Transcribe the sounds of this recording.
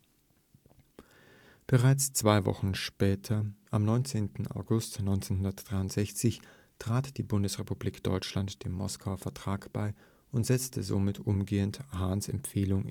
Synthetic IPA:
b̥əʁaɪt͡st͡sv̥aɪvɔ̰χn̩ʃpɛːtʰɐʔamnɔʏnt͡seːntn̩a̰ʊɡʊstnɔʏnt͡senhʊndɐtd̥ʁaɪʊntz̥ɛçt͡sɪç | tʁ̥aːtd̥iːbʊndəsʁepubliːkd̥ɔ̰ʏt͡ʃlantd̥eːmmɔ̰skʰaʊɐfɛɐtʁ̥aːkb̥aɪ | ʔʊntz̥ɛt͡stʰəzo̰ːmɪtʔʊmɡeːənthaːnsɛ̰mpfeːlʊŋ

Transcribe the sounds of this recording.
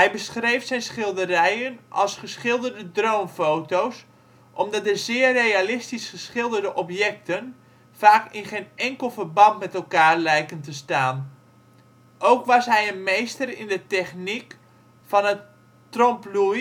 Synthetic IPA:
ɦɛjbəsχrejfsɛjnsχɪlˠdərɛjənʔɑ̰lˠsχəsχɪlˠdərdədrowmfowtows | ʔɔmdɔt̚əzɪːrːejalɪstisχəsχɪlˠdərdəʔɔpjɛk̚tən | faːkɪnχejnɛŋkəlˠvərbɑntmɛtɛlˠkaːrlɛjkəntəstaːn | ʔowkʋɑsɦɛjənmejstərɪ̰ndətɛχnik | fɔnə | trompluj

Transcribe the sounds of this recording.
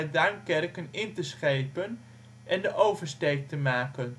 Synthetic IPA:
daŋkɛrkənɪntəsχejpən | ʔɛndəʔowvəɹstejk̚təmaːkən

